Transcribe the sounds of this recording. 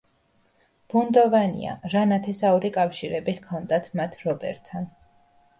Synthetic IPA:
b̥und̪ɔvanḭa̰ɾanat̪ʰɛsauɾikʼafʃiɾɛbiʁkʰɔnd̪at̪ʰmat̪ʰɾɔbɛ̰ɾt̪ʰːan

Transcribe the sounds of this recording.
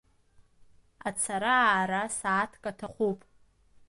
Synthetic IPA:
at͡sʰaɾaɾasaːtʰkʼatʰaχʷupʼ

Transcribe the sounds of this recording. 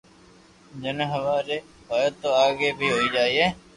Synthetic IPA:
d͡ʒɪnɦəʋaːɾe | ɦaːjət̪ːoaːɡeːbʱiːɦoːiːd͡ʒaːiːɦɛː

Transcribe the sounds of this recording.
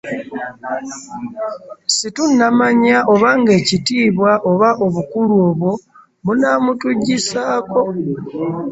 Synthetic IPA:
situnːamaɲaʔo̞βaŋɡe̞ːcitiːβwaʔoβaʔo̞βukuluo̞ːβwo̞ | munamutuɟisaːko̞

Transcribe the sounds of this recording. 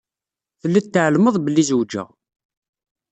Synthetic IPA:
θəlːæt̪ːəʕəlməðˤbəlːizwd͡ʒæ̰

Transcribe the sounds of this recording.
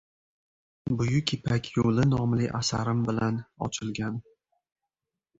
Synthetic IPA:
bʊjʊkʲʰɪpʰakʲʰjolɪnɒmlɪʔa̰saɾɪmbɪlanɒ̰t͡ʃʰɪlɡʲan

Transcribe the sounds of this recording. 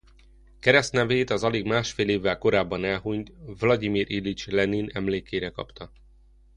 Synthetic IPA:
kɛɾɛst̪nɛveːt̪ɒzɒleɡmaːʃfeːleːvːɛlko̞ɾaːbːɒnɛlɦuɲt̪vlɒd̪imiɾʔilit͡ʃlɛninɛmleːkeːɾɛkɒ̰pt̪ɒ

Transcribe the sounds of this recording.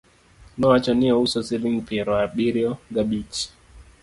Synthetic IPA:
nɔat͡ʃɔniɔusɔsiliŋpʰiɾwabiɾiɔɡabit͡ʃ

